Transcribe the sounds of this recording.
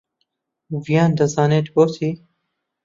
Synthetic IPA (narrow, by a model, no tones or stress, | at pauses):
vijaːnd̪ɐzaːneːt̪boːt̪ʰiː